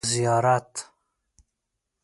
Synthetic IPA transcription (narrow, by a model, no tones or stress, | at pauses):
zijɑːɾat̪